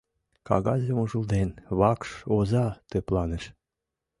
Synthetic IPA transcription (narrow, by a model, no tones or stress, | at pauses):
kɑ̰ɣɑzʲemuʒuld̪enβɑkʃozɑt̪øplɑneʃ